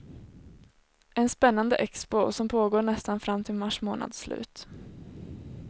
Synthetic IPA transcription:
ɛnspɛnːand̪əʔɛkspʊsɔmpʰoːɡoːɳɛst̪anfɾamːt̪ʰɪlmaʂmoːna̰d̪slʉ̟̰ːt̪

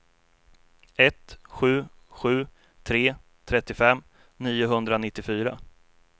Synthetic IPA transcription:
ɛt̪ɧʉ̟ːɧʉ̟ː | t̪ʰɾeː | t̪ʰɾɛt̪ːɪfɛmː | niːʊɦɵnd̪ɾanɪt̪ːɪfyːɾa

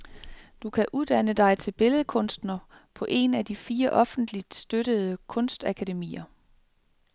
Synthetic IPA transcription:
d̥ukʰæʔuðˠd̥ænəd̥ɑ̈ɪt͡sʰe̝lb̥e̝ləð̞̩ˠəkʰɔ̽nsd̥nɐpʰɒ̽ʔe̝næd̥ifiːɐʔɒ̽fn̩d̥lid̥sd̥øɾəð̞̩ˠəkʰɔ̽nsd̥ækʰædemḭːɐ

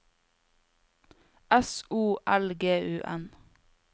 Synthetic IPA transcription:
ɛsuːʔælɡeːʔʉːʔɛn

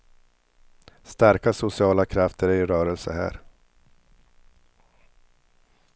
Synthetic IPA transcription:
st̪æɾkasʊsɪɑːlakʰɾaft̪ʰəɾæɾɪɾœːɾɛlsəhæ̰ːɾ

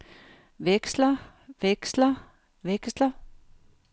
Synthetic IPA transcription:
ʋeɡ̥slɐ | ʋeɡ̥slɐ | ʋeɡ̥slɐ

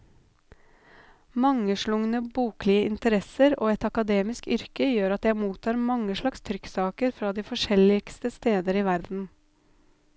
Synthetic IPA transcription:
mɑŋəʃɭʊŋnəbuːklɪəʔɪnt̪əɾɛsəɾoːɛt̪ɑkɑd̪eːmɪskʏɾkəjøːɾɑt̪jæɪmuːt̪ʰɑːɾmɑŋəʃɭɑkst̪ʰɾʏksɑːkəɾfɾɑːd̪iːfɔʂɛlɪkst̪əst̪eːd̪əɾiːʋæɾd̪n̩

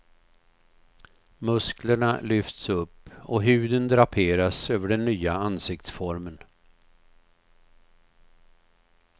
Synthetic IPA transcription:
mɵskləɳalʏft̪sɵpːɔɦʉ̟ːd̪ənd̪ɾapʰeːɾasøːvəɖɛnːyːaansɪk̚t̪sfɔɾmən

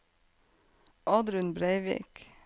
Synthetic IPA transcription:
ʔɑːd̪ɾʉnbɾeɪʋḭːk

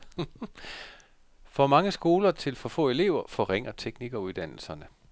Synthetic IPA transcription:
fɒmɑ̈ŋəsɡ̥o̝ːlɐt͡sʰe̝lfɒ̽fɔ̰̽ːe̝le̝̰ʊ̰ɐfɒ̽ʁeŋ̰ɐt͡sʰeɡ̥niɡ̥ɒuðˠd̥æn̰l̩sɐnə

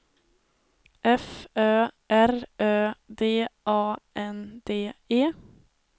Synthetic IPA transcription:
ʔɛføːʔæɾʔøːd̪eːʔɑːʔɛnd̪̥eːeː

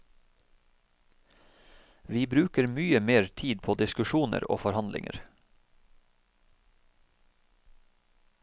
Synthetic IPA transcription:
ʋiːbɾʉːkəɾmyːəmeːɾt̪ʰiːd̪̚pʰoːd̪ɪskʉʃuːnə̰ɾo̰ːfɔɾhɑnd̪lɪ̰ŋʔə̰ɾ

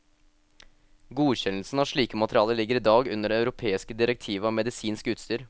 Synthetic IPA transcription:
ɡuːçɛnl̩sn̩ɑʂɭiːkəmɑt̪əɾɪɑːləlɪɡːəɾiːd̪ɑːɡʉnəɖɛɑʉɾʊpʰeːɪskəd̪ɪɾɛk̚t̪ʰiːʋəɑːmɛd̪ɪsiːnskʉːt̪st̪yːɾ

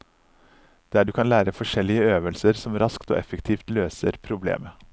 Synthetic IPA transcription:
d̪̥æɖʉːkʰɑnlæːɾəfɔʂɛlːɪəøːʋəlsəɾsɔmɾɑskt̪o̰ːʔɛfəkt̪ʰiːft̪løːsə̰ɾpʰɾʊblḛːmə

